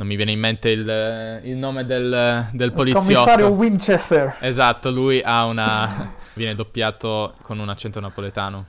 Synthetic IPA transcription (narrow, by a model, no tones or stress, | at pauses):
nomːivjɛːneimːent̪eililnoːmed̪eld̪elpolitosmːijɔsːaɾjowint͡ʃɛst̪ɛɾezat̪ːolujʔaunavjɛːned̪opːjaːt̪okonunat͡ʃːɛnt̪onapolet̪aːno